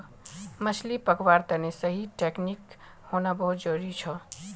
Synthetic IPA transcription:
məsʰlipəɡʋaɾt̪ənesəɦiʈeknik | honabəɦud͡ʒəɾit͡ʃʰʌ

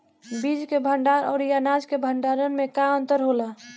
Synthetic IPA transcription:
bid͡ʒkebʱəɳɖaɾɔːɾjanad͡ʒkebʱəɳɖaɾənmekaənt̪əɾɦola

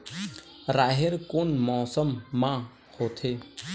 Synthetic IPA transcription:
ɾaːɦeɾkoːnmɔːsəmːã | hoːt̪ʰeː

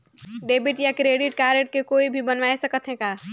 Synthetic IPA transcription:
ɖeːbiʈjakɾeːɖiʈkaːɾeʈ̚kekoːibʱibənʋaːjsəkət̪ɦẽka

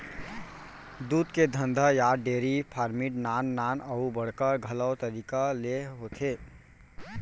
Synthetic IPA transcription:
d̪ud̪ked̪ʱənd̪ʱəjaɖeɾipʰaɾmiʈnanːanəubəɽ̤kəɾɡʱələwt̪əɾikaleɦot̪ʰe

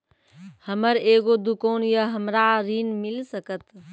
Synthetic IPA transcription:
həməɾeːɡod̪ukoːnjəɦəmɾaɾiːnmɪlsəkət̪

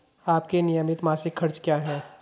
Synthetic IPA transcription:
aːpkenijəmɪt̪maːsɪkʰːɐɾt͡ʃkjaɦɛ̃ː

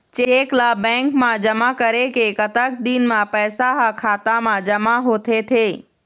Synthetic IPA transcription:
t͡ʃeːklaːbɛ̃ːŋkmãd͡ʒɐmakɐɾekʰekɐt̪ək̚d̪iːnmãpɛːsaɦakʰaːt̪amãd͡ʒɐmaɦoːt̪ʰet̪ʰeː

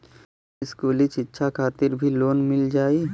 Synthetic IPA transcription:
ɪskuːlit͡ʃɪtːʃʰakʰaːt̪ɪɾbʱiloːnmɪld͡ʒaːi

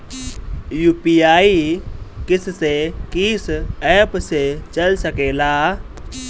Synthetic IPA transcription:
juːpijaːikɪssekiːseːpset͡ʃəlsəkeːlaː

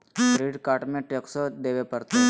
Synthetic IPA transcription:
ɾiɖkaʈmẽʈeksəd̪eʋepəɾt̪o

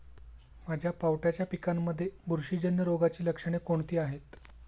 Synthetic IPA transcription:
mad͡ʑʱjapawʈat͡ɕjapikamːəd̪ʱːjebʱuɾɕiːd͡ʑənjəɾoɡat͡ɕiːləkʂəɳ̃ekoɳt̪iːaɦet̪

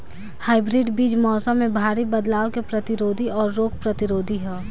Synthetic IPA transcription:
haːɪbɾiːɖbiːd͡ʒmɔːsə̃mːẽbʱaːɾibəɐd̪laːokepɾɐt̪ɪɾoːd̪ʱiʔɔːɾːoːk̚pɾɐt̪ɪɾoːd̪ʱiɦɛː

